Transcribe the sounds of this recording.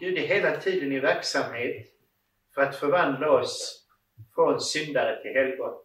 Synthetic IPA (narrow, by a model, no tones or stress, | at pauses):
bʉ̟ːd̪əɦeːlat̪ʰiːd̪ənɪvæɾksamheːt̪ | fœɾat̪fœɾvand̪laɔs | fɾɔnsʏnd̪aɾət̪ʰɪlɦɛlɡɔ